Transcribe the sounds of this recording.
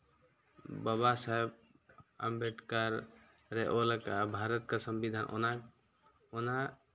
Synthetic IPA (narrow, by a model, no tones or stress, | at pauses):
babasaeb̚ | a̰mbeʈkaɾɾeʔolakabʱaɾət̪kasəmbid̪ʱaːnʔo̰na | ona